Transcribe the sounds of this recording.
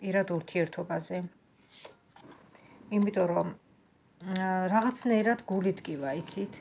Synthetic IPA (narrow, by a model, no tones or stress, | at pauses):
pʼiɾad̪uɾt̪ʰiɛɾt̪ʰɔbazɛ | imit̪ʼɔɾɔ | ɾaʁat̪sʰnaiɾad̪ɡulid̪kʼivait̪sʰit̪ʰ